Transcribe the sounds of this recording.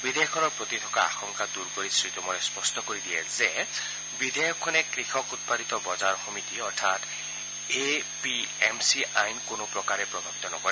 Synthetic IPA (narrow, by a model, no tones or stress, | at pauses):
bidʱejɔkʰːɔnɔɹpɹot̪itʰɔkaa̰xɔŋkad̪uɹkoɹisɹit̪ɔmɔlɛspɔstɔkoɹid̪ijɛzɛ | bidʱɛjɔkʰːɔnɛkɹixʰɔkut̪̚padit̪ɔbɔzaɹɔxɔmitiɔɹtʰat | e | piemsiʔajnkonʊpɹɔkaɹɛpɹɔbʱabit̪ɔnɔkɔɹɛ